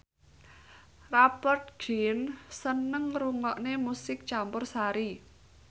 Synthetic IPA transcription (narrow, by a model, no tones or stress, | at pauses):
rapərt̪̚ɡinsənəŋruŋɔʔnemusɪk̚t͡ʃampʊrsaɾi